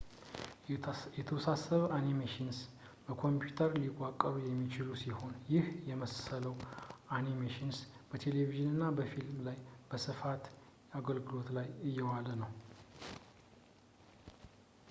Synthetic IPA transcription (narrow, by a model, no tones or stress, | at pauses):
jɛt̪ʰəwɔsasːəβʔanimeʃɪns | bəkʰo̞mpjut̪ʰəɾlikʼːakʼːəβjɛmːit͡ʃɪlusiho̞njɪhjɛməssələwʔanimeʃinsb̥ət̪ʰe̞le̞viʒɪnɨnːabəfilmlajb̥əsɨfat̪ | aɡəlɡɨlo̞t̪lajɨjːɛwalənəw